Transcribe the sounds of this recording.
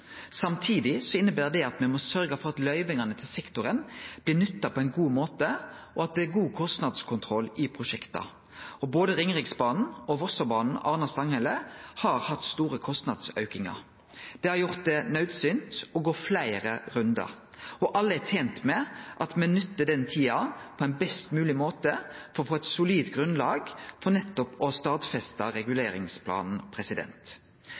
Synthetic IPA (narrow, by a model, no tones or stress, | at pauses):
sɑmt̪ʰiːd̪ɪsɔɪnːəbæːʁd̪ɛɑt̪mɛmɔsœɾɡəfɔʁɑt̪lœʏʋɪŋɑnət̪ʰɪlsɛkt̪ʊɾənb̥lɪːnʏt̪ːɑpʰɔɛɪnɡuːmoːt̪ə | ɔɑt̪̚d̪ɛæɾɡuːkʰɔst̪nɑd̪skʰʊnt̪ʰʁɔlɪpʰʁʊʃɛkt̪ɑ̰ | ɔboːd̪əɾɪŋʁɪksbɑːnn̩ɔʋɔsəbɑːnn̩ɑʁnɑst̪ɑŋhɛləhɑːɾhɑt̪ːst̪uːʁəkʰɔst̪nɑd̪sœ̰ʉkɪŋɑ̰ɾ | d̪̥ɛːhɑɾjʊʁt̪̚d̪ɛnœʉd̪sʏnt̪ɔɡoːflæɪɾəɾʉnd̪ɑ̰ʁ | ɔʔɑlːəɛt̪ʰeːnt̪mɛʔɑt̪mɛnʏt̪ːəd̪ɛnt̪ʰiːɑpʰɔɛɪnbɛst̪mʉːlɪmoːt̪əfɔɾɔfoːɛt̪sʊliːt̪ɡʁʉnlɑːɡfɔʁnɛt̪ːɔpɔst̪ɑːt̪fɛst̪ɑʁɛɡʉleːɾɪ̰ŋspʰlɑ̰ːnn̩pʰʁɛsɪd̪ɛ̰nt̪